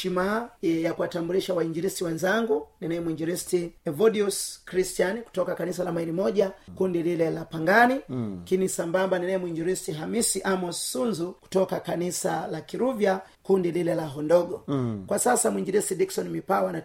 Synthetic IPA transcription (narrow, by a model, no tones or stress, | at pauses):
ʃimaɛjakuwatambuliʃawaiɲd͡ʒiɾistiwɛnzaŋɡuninaɛmuiɲd͡ʒiɾistiɛvɔɗiuskɾistianiku̥tɔkakanisalamaiɾimɔʄakundililɛlapaŋɡanikinisambambaninaɛmuiɲd͡ʒiɾistiɦamisiʔamɔssunzuku̥tɔkakanisalakiɾuvja | kundililɛlaɦɔndɔɡɔkwasasamuiɲd͡ʒiɾistidiksɔnimipawana